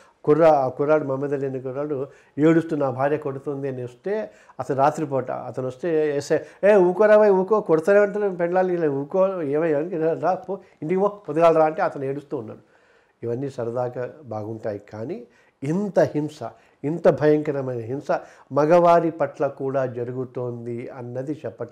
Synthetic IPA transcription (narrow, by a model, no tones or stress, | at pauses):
kuɾːaakuɾːaːɽumɐmɐd̪ɐlenikuɾːaːɽu | eːɽust̪unaːbʱaːɾjɐkoɽut̪ond̪iɐniost̪eː | ɐt̪ɐnɾaːt̪ɾip̬ɔːʈa̰ɐt̪ɐnɐst̪eseeːuːkoɾaʋɐjuːkoːkoɽut̪aːneːʋɐɳʈ̬aːɾpeɳlaːlilɐuːkoːeːʋɐjɐnkɾaːpo | iɳʈiioːpod̪ɐɡaːlɾaːɐɳʈe̞ːɐt̪ɐneːɽust̪uːnːa̰ːɽu | iʋɐnːiːsɐɾɐd̪aːkabaːɡuɳʈaːjikaːni | int̪ɐhimsɐ | int̪ɐbʱɐjɐŋkɐɾɐmɐjnɐɦimsɐ | mɐɡɐʋaːɾipɐʈlɐkuːɽaːd͡ʒɐɾuɡut̪oːnd̪iɐnːɐd̪it͡ʃɛpːɐʈː